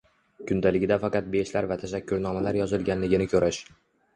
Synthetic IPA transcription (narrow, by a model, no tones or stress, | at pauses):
kʲʰʊnd̪alɪɡʲɪd̪afɑqɑt̪̚beʃlaɾvat̪ʰaʃakʲʰːʊɾnɒmalaɾjɒzɪlˠɡʲanlɪɡʲɪnɪkʰɵɾʔaʃ